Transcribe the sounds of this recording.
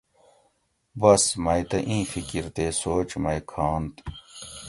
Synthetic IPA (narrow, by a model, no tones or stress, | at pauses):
bɐsmɐjt̪ɐʔĩːfikiɾt̪eːsoːt͡ɕmɐjkʰaːnt̪